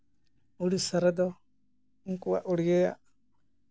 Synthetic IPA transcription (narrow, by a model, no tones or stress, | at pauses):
uɽisəɾɛd̪ɔ | uŋkuwa̰ʔuɽiɡɛja̰ʔ